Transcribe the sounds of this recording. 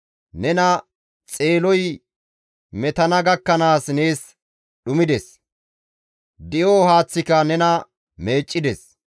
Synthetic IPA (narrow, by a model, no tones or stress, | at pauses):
nɛnɐ | t͡sʼe̞ːlɔj | mɛt̪ɐnɐɡɐkːɐnaːsne̞ːs | ɗʊmɪd̪ɛs | d̪ɪjoːhaːt͡sːɪkɐnɛnɐ | me̞ːt͡ʃʼːɪd̪ɛs